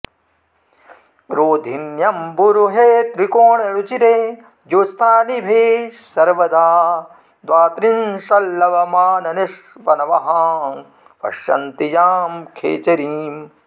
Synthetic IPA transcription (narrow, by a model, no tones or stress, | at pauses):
ɾoːd̪ʱinjɐmbuɾuɦet̪ɾikoːɳeɾut͡ʃit̪eː | d͡ʒoːst̪ʰaːnibʱeːsɐɾʋɐd̪ʱaː | d̪ʋaːt̪ɾinʃɐlːɐʋɐmaːnɐneʂ | ʋɐnɐʋɐɦɐ | ʋɐ̰ʃjɐ̰nt̪ijaːmkʰḛːt͡ʃɐɾiːm